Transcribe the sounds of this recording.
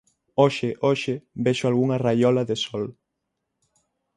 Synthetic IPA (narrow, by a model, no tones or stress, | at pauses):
oʃɪʔoʃɪbeʃʊalɣuŋɐrajɔlɐðesɔl